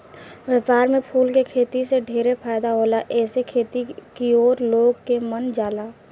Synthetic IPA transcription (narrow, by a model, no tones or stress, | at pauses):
ʋəːpaːɾmẽpʰuːlkekʰeːt̪iseɖʱiːɾepʰaːɪd̪aɦoːlaʔɛːsekʰeːt̪ikioːɾloːɡkemənd͡ʒaːlaː